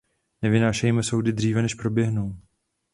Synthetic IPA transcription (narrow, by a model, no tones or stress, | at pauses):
nɛvɪnaːʃɛjmɛso̞wdɪd̪r̝iːvɛnɛʃpɾo̞bjɛɦnuw